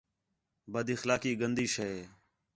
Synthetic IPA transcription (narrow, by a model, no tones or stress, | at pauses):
bəd̪ɪxlaːkiːɡənd̪iːʃəeː